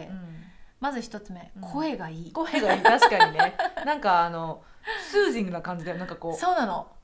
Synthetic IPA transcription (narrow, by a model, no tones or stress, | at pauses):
e | mazɨçi̥t̪o̞t͡sɨme̞kʰo̞e̞ɡaiːkoeɡaiːt̪aɕi̥kaɲine̞nãŋkaːno̞ | sɨːʑĩŋɡɯnakãɲ̟d͡ʑid̪ajonãŋkako̞ːso̞ːnano̞